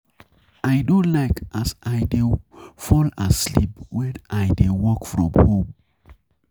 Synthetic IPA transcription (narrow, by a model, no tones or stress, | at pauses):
aɪdõlaɪkasʔaɪdefɔlaslḭpwɛnaɪdewɔkfɹɔ̃mhõm